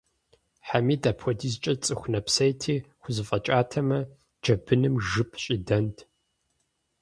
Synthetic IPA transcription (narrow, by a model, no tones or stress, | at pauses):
ħamiːdaːpʰxʷɔdʰiːzt͡ʃʼɐt͡sʼɨxʷnɐpsɐjtʰiːχʷʊzɨfʼɐt͡ʃʼaːtʰɐmɐ | d͡ʒɐbɨnɨmʒɨpʰɕʼidɐntʰ